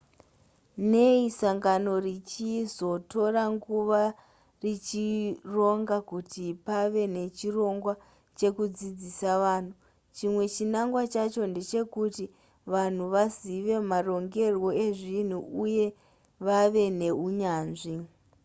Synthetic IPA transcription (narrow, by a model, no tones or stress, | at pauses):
ne̞isaŋɡano̞rit͡ʃizo̞to̞ɾaŋɡuʋa | rit͡ʃiro̞ŋɡakutipaʋe̞ne̞t͡ʃiro̞ŋɡwa | t͡ʃe̞kud͡zid͡zisaʋaːn̤u | t͡ʃimwe̞t͡ʃinaŋɡwat͡ʃat͡ʃo̞nde̞t͡ʃe̞kuti | ʋan̤uʋaziʋe̞maro̞ŋɡe̞rwo̞e̞ʐin̤uuje̞ | ʋaʋe̞ne̞ɦuɲaːnʐi